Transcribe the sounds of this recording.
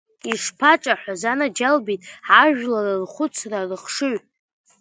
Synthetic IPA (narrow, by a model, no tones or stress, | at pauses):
iʂpʰaʈ͡ʂʼaħʷᶣazanad͡ʒalbitʼħaʒᶣlarɨrχʷʊt͡sʰrarɨχʂɨʕ